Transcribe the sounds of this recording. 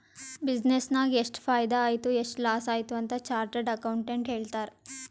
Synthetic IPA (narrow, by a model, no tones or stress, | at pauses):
bid͡ʒnesnaːɡeʂʈpʰaːjd̪aːjt̪ueʂʈlaːsaːjt̪uɐnt̪ɐt͡ʃaːɾʈeɖɐkɐwɳʈeɳʈɦe̞ːɭt̪aːɾ